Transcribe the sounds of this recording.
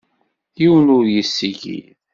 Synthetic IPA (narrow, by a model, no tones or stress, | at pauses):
jiwənʊɾjəsːiʝḭ